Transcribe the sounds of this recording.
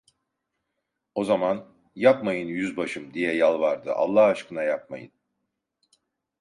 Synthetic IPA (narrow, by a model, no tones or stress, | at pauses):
o̞zaman | japmajɯnjyzbaʃɯmd̪ijɛjalˠvaɾd̪ɯʔa̰lˠːahaʃkʰɯnajap̚ma̰jɯ̰n